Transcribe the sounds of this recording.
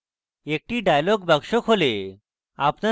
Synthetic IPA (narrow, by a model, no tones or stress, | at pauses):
ek̚ʈiːɖajlɔɡbaɡʂokʰole | apna